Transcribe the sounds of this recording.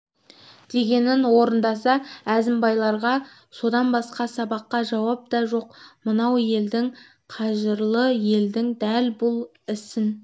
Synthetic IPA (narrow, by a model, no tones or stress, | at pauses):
d̪̥e̞ɡʲe̞nɪnwo̞ɾənd̪ɑsɑæzɪmbɑjlˠɑɾʁɑ | so̞d̪ɑnbɑsqɑsɑbɑqːɑʒɑwɑp̚d̪ɑʒo̞qmənɑwje̞ld̪ɪŋ | qʰɑʒəɾlˠəje̞ld̪ɪŋd̪ælbʊlˠ | ɪsɪn